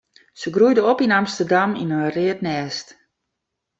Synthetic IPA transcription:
səɡrujdəopinamstərdamḭnərɪətnɛːst

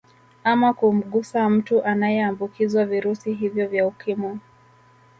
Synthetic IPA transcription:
amakum̩ɠusam̩tuʔanajɛambukʰizwaviɾusiɦivjɔvjaukimɔ

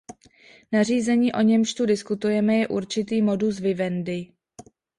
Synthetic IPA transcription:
nar̝iːzɛɲiːʔo̞ɲɛmʃt̪udɪskut̪ujɛmɛjɛʔuɾt͡ʃɪt̪iːmo̞dus̬vɪvɛndɪ

